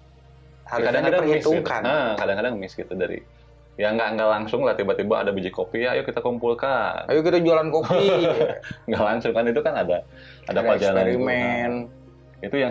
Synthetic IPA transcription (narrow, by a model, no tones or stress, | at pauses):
hakadaŋkadəriist̪uka̰nəkadaŋkadaŋmiskit̪udaɾḭ | jaŋɡaʔŋɡalaŋsʊŋlat̪ibat̪ibaʔa̰dabid͡ʒikopiajukit̪akumpulkanajukit̪ad͡ʒualankopi | ŋɡaʔlaŋsʊŋkanit̪ukanada | a̰dapad͡ʒalananɾimɛn | it̪ujaŋ